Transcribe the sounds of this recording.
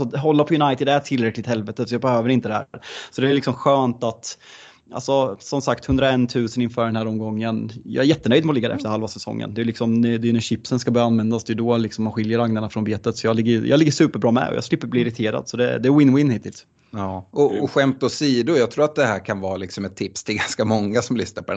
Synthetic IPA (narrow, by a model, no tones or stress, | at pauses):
sɔɦɔlːapʰɔjɵnajt̪ɪd̪æʈʰɪlɾɛklɪt̪hɛlvɛt̪ət̪sɔjɑːbɛhøːvəɾɪnt̪əd̪ɛhæ̰ɾːɾsɔd̪ɛːlɪksɔmɧøːnt̪at̪ | ʔa̰lsɔsɔmsak̚t̪hɵnd̪ɾaɛnːt̪ʰʉ̟ːsənɪnfœːɖɛnhæːɾɔmːɡɔŋːənjɑ̰æɾjɛt̪ːənœʏjd̪mɛɔlɪɡːd̪ɛ̰ɛft̪əɾhalvasɛsɔ̰ŋːə̰nd̪ɛjʉlɪksɔmɛd̪ɛjʉnɛɕɪpsənskabœːɾaanvɛnd̪asd̪ɛjʉd̪ɔlɪksɔmːanɧɪljəɾaŋnaɳafɾɔnbeːt̪ət̪sɔjɑːlɪɡːəjʉ̰jʔɑːɡlɪɡːəʂʉ̟ːpəɾbɾɑːmɛ̰ɔ̰jɑ̰slɪpːəɾbliːɪɾɪt̪ʰeːɾa̰d̪sɔd̪ɛ̰d̪ɛːwɪnwɪnːhɪːt̪ʰːɪ̰ls | ɔɔɧɛmt̪ɔsiːd̪ʊjɑːt̪ʰɾuːɾat̪̚d̪ɛhæːɾkʰanvɑːlɪksɔmɛt̪ʰːɪpst̪ʰɪlɡanskamɔŋːasɔmlʏsnaɾpʰɔd̪ɛ